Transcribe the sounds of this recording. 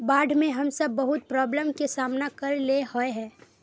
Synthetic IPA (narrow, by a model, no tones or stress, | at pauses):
baːɖʱmẽɦɐmsɐbːɐɦʊt̪̚pɾɔːbləmkesaːmnakɐɾlehɔeɦɛ̃ː